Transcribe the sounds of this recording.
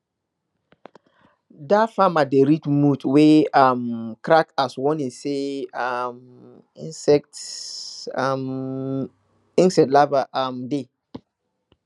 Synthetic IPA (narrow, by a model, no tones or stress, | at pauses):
dafamadeɾitmutweamkɾakaswɔ̃nĩnseam | ĩnsɛk̚t | am | ĩnsɛtlavaʔamde